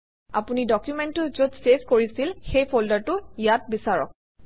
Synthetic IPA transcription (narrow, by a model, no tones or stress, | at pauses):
apunidɔkjumɛntʊzodseskoɹisilxejpʰoldaɹtʊijat̚bisaɹɔ̰k̚